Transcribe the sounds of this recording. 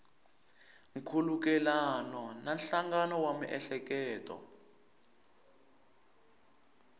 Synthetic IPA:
ŋ̩kʰuluk̬ɛlanɔnanɬaŋɡanɔwamuʔɛɬɛk̬ɛːtʼɔ̰

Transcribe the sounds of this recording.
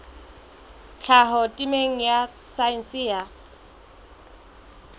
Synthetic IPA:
t͡ɬʰaɦɔtʼimeŋ̩jasain̩siːa

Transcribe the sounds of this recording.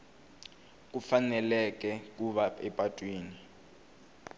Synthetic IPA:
k̬ufanɛlɛk̬ʼɛk̬ʼuβaɛpʼatʼwiːni

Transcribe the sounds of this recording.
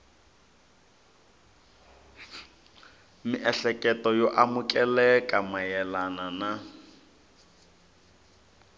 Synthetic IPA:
miʔɛɬɛkʼɛtɔjɔʔamukʼɛlɛkʼamajɛlanana

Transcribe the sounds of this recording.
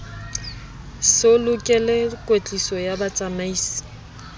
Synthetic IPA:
sɪlʊkʼɛlɛkʼwet͡ɬʼisɔjabat͡sʼamaiːsi̥

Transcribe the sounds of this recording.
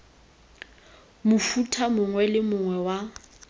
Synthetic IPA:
mʊfutʰamʊŋwɛlɪmʊŋwɛwa

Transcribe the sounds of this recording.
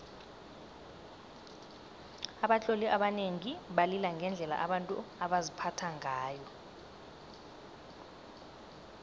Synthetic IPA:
aɓaɬoliʔaɓaneŋiɓalilaŋɡʱɛnd͡ɮʱɛla̰ʔaɓantʼṵaɓazipʰatʰaŋʱaːjɔ

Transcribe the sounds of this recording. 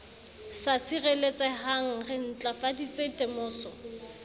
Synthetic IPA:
sasirelet͡sʼɛhaŋ̩rɪn̩t͡ɬʼafadit͡sʼetʼemʊːsɔ

